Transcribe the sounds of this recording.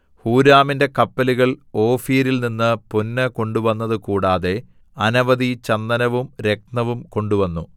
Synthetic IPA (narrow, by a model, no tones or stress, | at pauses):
huːɾaːminde̞kɐpːɐluɣɐɭo̞ːfiːɾilninːɨpunːɐko̞ɳɖuʋɐnːɐðɨkuːɽaːðe̞ | ɐnɐʋɐðit͡ɕɐnd̪ɐnɐʋumɾe̞k̚nɐʋumko̞ɳɖuʋɐnːu